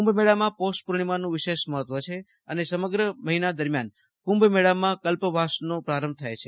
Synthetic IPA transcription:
ũmbʱmɛɽamãposʈ̚puɾɳimanũʋɪʃeʃməɦət̪ʋət͡ʃʰe | ənesəməɡɾəməɦinad̪əɾmjan | kũmbmɛɽamːãkəlpʋasnopɾaɾəmb̚ʱt̪ʰajt͡ʃʰe

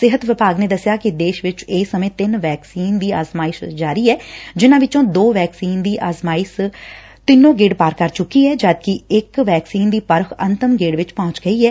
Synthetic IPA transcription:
sɪɦət̪ʋɪpaːɡneːd̪əsːɪjaːkɪd̪eːʃʋɪt͡ʃɪːsːəmẽːt̪ɪnʋɛːksiːnd̪iːaːzmaːɪsd͡ʒaːɾiːɛːd͡ʒɪnãːʋɪt͡ʃõːd̪oːʋɛːksiːnd̪iːʔaːzmaːɪs | t̪ɪnːõːɡeːɖpaːɾkəɾt͡ʃʊkːiːɛːd͡ʒaːd̪̚kɪɪkʋɛːksiːnd̪iːpəɾkʰə̰nt̪əmɡeːɖʋɪt͡ʃpɔ̃ːt͡ʃɡəiːɛː

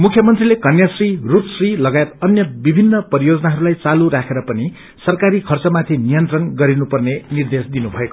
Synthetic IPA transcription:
mukʰjʌmʌnt̪rilekʌnjasrirut̪srilʌɡajet̪ʌnjʌbibʱinːʌpʌɾijod͡zʌnaɦʌɾulajt͡saluɾakʰeɾʌpʌni | sʌrkaɾikʰʌrt͡sʌmat̪ʰinijʌnt̪rʌnɡʌɾinupʌrnenird̪esd̪inubʱʌeko

